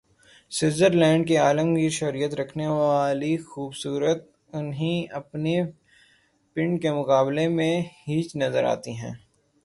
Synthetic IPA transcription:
sɪzəɾlɛ̃ːɳɖ̚kiaːlə̃mɡiʃɐɾijət̪ɾɐkʰneʋaːlixuːbsuːɾət̪̚ | ʊnɦiɐpne | pɪ̃ɳɖkemʊkaːblemẽhiːt͡ʃnɐzəɾa̰ːt̪iɦɛ̰̃ː

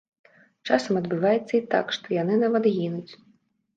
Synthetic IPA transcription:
t͡ʂasɐmɐd̪bɨvajɛt̪sːɐit̪a̰kʂt̪ɔjanɨnavad̪ɣʲinut͡sʲ

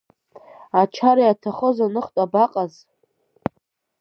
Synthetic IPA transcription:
at͡ʃʰaɾajatʰaχozanɨχtʷʼabaqʼaz

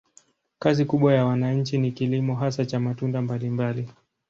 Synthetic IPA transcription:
kazikuɓwajawanaɲ̩t͡ʃinikilimɔɦasat͡ʃamatundambalimbali

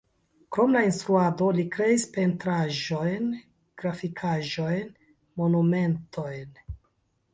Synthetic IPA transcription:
kɾo̞mlainst̪ɾuado̞likɾe̞ispe̞ntɾaʒo̞jn | ɡ̥ɾafikʰaʒo̞jn | mo̞nume̞nto̞jn

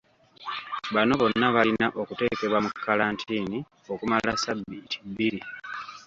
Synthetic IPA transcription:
βano̞βo̞nːaβalinaʔo̞kute̞ːke̞βwamukːalaːntʰiːni | o̞kumalasabːitʰi̥bːiɾi

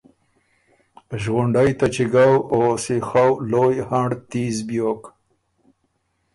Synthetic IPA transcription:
ʒɣʊɳɖajt̪at͡ʃɪɡawosexawlojhaɳɖt̪izbjok

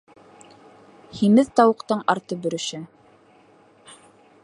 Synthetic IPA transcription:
himɘðt̪ɑwɤ̆qt̪ɤɴɑɾt̪ɤbɵ̆ɾɵ̆ʃɘ

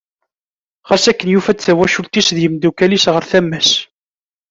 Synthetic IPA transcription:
ʁæsækːənjufæt͡sθæwæʃult̪isðjəmd̪ukælisʁəɾθæmːæs

